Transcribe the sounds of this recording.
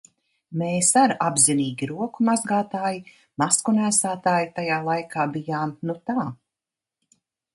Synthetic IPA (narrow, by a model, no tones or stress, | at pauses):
meːsaɾabziniːɡʲiɾuɔkumazɡaːt̪aːji | maskunæːsaːt̪aːjit̪ajaːlˠajkʰaːbijaːmnut̪aː